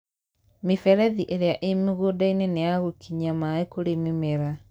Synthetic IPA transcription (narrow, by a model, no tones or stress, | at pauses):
mefɛɾɛðiʔeɾeaʔemeɣodaineneaɣokʰiɲamaekoɾememeɾa